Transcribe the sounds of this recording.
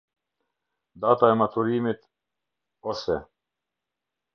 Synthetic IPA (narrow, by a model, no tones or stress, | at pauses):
d̪at̪aemat̪ʰuɾiːmit̪ | osɛ